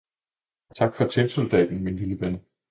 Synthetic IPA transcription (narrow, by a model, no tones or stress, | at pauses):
t͡sʰɑ̈ɡ̥fɒ̽t͡sʰensold̥ɛ̰ːd̥n̩minliləʋenə